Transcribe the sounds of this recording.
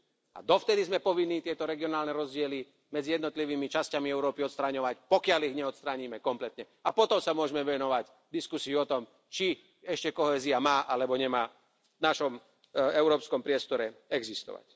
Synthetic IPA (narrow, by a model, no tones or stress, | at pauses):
a̰d̪ɔft̪ɛd̪izmɛpɔʋinːiːt̪ɪɛt̪ɔɾɛɡiɔnaːlnɛɾɔzɟɪɛli | mɛd͡zijɛd̪nɔt̪liʋiːmit͡ʃascamiɛʊɾɔːpiɔt̪st̪ɾaɲɔʋacpɔkɪaliɣɲɛɔt̪st̪ɾaːɲimɛkɔmplɛt̪ɲɛ | apɔt̪ɔmsamʊɔʒɛmɛʋɛnɔʋac | d̪iskusiuɔt̪ɔm | t͡ʃi | ɛʃcɛkɔɦɛːziamaːʔalɛbɔɲɛmaː | naʃɔm | ɛʊɾɔːpskɔmpɾɪɛst̪ɔɾɛɛɡzist̪ɔ̰ʋa̰c